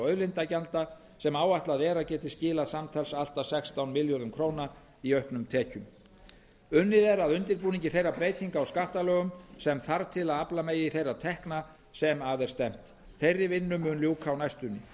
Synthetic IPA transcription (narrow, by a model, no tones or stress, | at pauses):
œɥðlɪnt̪acalt̪a | sɛmaːwaht̪laðɛːɾacɛːt̪ɪscɪːlaðsamt̪ʰɛlsal̥t̪asɛkst̪awnmɪljɔɾʏmkʰɾoːwna | iœɥhknʏmt̪ʰɛːcʏm | ʏnːɪðɛɾaðʏnt̪ɪɾpuːniɲcɪθejrːapɾejt̪ʰiŋkaːwskaht̪alœːɣʏmsɛmθaɾt̪ʰɪlaðaplamejɪiθejrat̪ʰɛhkna | sɛmaðɛɾ̥st̪ɛm̥t̪ | θejrːɪvɪnːʏmʏnljowkʰawnajst̪ʏnːɪ